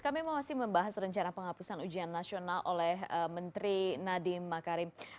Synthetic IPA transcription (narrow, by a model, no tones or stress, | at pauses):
kamimamasɪhməmbaɦasrəɲt͡ʃanapəŋapusanud͡ʒianːasionalʔolɛɦəmənt̪ɾinadimakaɾɪm